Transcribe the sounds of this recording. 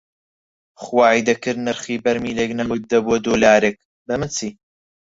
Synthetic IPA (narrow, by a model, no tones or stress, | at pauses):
χwaːʕid̪ɐkɨɾnɐɾχiːbɐɾmiːleːknɐwʊt̪̚d̪ɐbuɔd̪oːlaːɾek̚ | bɐmɨnt͡sʰiː